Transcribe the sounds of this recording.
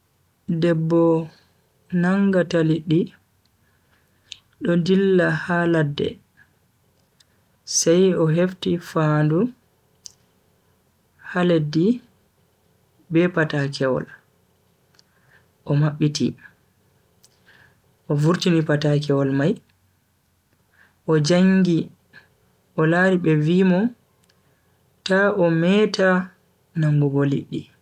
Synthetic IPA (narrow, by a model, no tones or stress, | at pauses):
dɛbːɔ | naŋɡataliɗi | ɗɔdilːahaladːɛ̰ | sajɔɦeftifandu | haledi | bɛpatakɛwɔ̰l | ʔɔmaɓːitḭ | ʔɔvuɾtinipatakɛwɔlmaj | ʔɔd͡ʒaŋɡi | ʔɔlaːɾiɓɛviːmɔ | taʔɔmɛta | naŋɡuɡolḭɗːi